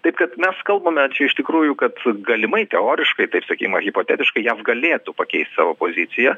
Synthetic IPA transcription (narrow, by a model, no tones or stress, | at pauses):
t̪ɐɪpkɐt̪mʲɛskɐlˠbɐmʲɛt͡ʃʲɛɪʃt̪ʲɪkɾuːjʊkɐt̪ɡɐlʲɪmɐɪt̪ʲɛoːɾʲɪʃkɐɪt̪ɐɪpsɐkʲiːkmɐɣʲɪpoːt̪ʲæːt̪ʲɪʃkɐɪjæfɡɐlʲeːt̪upɐkʲɛɪsʲt̪ʲsɑ̰ːʋoːpoːzʲɪt̪t͡ssʲɪjɛ